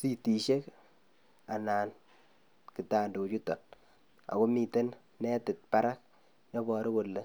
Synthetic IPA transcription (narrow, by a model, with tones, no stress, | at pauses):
si˦˨ti˨ʃe˦k | a˨naː˨n | kɪ˨taː˨ndo˨t͡ʃu˦tɔ˨n | a̰˨ko˦mi˨te˦n | nɛ˦tɪ˨t̚pa˦ɾa˦k̚ | ɲɔ˦bɔ˨ɾɪ˦ko˨lːe˨˦